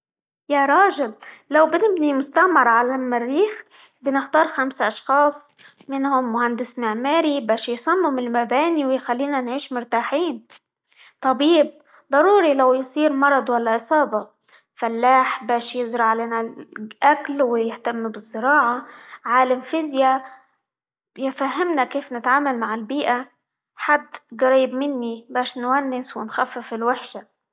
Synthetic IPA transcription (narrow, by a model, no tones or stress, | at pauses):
jaɾˤɑːʒɪlːawbɪnɪbnimʊst̪aʔmɪɾˤʕalamarːiːxbɪnɪxt̪ɑːɾˤxamsaʔɑʃxɑːsˤ | mɪnhʊmːʊhand̪ɪsmɪʕmaːɾibaːʃjsˤɑmːʊmɪlmabaːniwjxalːiːnanʕiːʃmʊɾt̪aːħiːn | t̪ˤɑbiːb̚ | d̪ˤɑɾˤuːɾilawjsˤiːɾmɑɾˤɑd̪ˤwalːaʔɪsˤɑːbɑ | falːaːħbaːʃjɪzɾˤɑʕleːnaʔaklwɪjɪht̪amːbɪzˤːɪɾɑːʕaʕaːlamfɪzja | jɪfahːɪmnakeːfnɪt̪ʕaːmalmaʕɪlbiːʔa | ħad̪ːɣaɾiːbmɪnːibaːʃnwanːɪswɪnxafːɪfɪlwɪħʃa